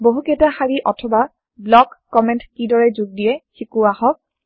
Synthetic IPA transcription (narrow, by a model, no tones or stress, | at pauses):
boɦuketaxaɹiʔɔtʰɔba | blɔkːɔmɛntkidɔɹɛzuɡ̚dijɛxikuahɔk̚